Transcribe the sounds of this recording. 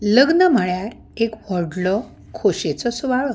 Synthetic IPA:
ləɡnəm̤əɭjaɾ | ekʋəɾɖlɔ | kʰoɕet͡sɔsʋaɭɔ

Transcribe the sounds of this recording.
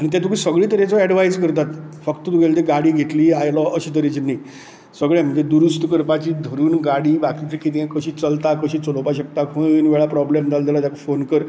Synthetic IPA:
aɽ̃it̪̬jat̪ukʰisəɡɭiːt̪əɾet͡sɔɛɖʋajd͡zkəɾt̪at̪fəkt̪ət̪uɡʱelt̪eɡaɽiːɡʱet̪liːajlɔʔəɕiːt̪əɾet͡ɕinai | səɡɭãm̤əɳd͡zed̪uɾust̪əkəɾpat͡ɕiːd̪ʱəɾuːnɡaɽiːbakit̪ekit̪̬ẽkəɕiːt͡səlt̪akəɕiːt͡səlopaɕək̚t̪akʰəənʋeɭapɾɔblemd͡z̪ald̪elat̪jakofonkəɾ

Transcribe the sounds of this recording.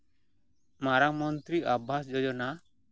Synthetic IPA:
maɾakmɔnt̪ɾiʔabʱasd͡ʒɔd͡ʒɔna

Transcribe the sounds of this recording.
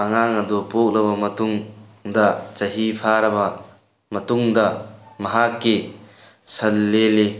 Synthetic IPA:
ɐŋaŋɐd̪ɔpok̚lɐbɐmɐt̪uŋd̪ɐt͡ʃɐɦipʰaɾɐbɐ | mɐt̪uŋd̪ɐmɐɦakːi | sɐlːele

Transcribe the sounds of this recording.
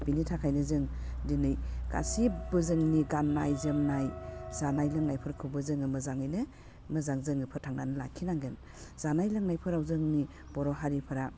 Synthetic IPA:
binitʰakʰajnɯzɯŋdinɯjɡa̰sibɯzɯŋniɡanːajzɯmnajzanajlɯŋnajpʰɯɾkʰɯbɯzɯŋɯmɯzaŋɯjnɯ | mɯzaŋzɯŋɯpʰɯɾtʰaŋnanɯla̰kʰinaŋɡen | z̥anajlɯŋnajpʰɯɾawzɯŋni | b̥ɔɾɔɦaɾipʰɯɾa

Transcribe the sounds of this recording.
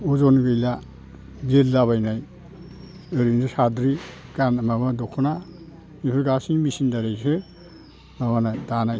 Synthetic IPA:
ɔzɔnɡɯjla | belːaβajnaj | ɯɾindɯsadɾiɡ̥anmamadɔkʰna | mipʰɯɾɡasiŋmisindaɾejsʰɯ | mamanajdanaj

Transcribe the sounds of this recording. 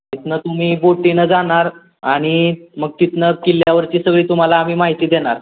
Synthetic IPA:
it̪nət̪um̤iːboʈinəd͡zaɽ̃aɾ | aɽ̃iməɡ̚kit̪nəkiljaʋəɾt͡ɕiːsəɡɭiːt̪um̤alaːm̤iːmaɦit̪iːd̪eɽ̃aɾ

